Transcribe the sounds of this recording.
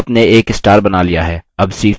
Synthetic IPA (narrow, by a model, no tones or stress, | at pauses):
pneeːkɪsʈaːɾbɐnalijaɦɛːɐbsiː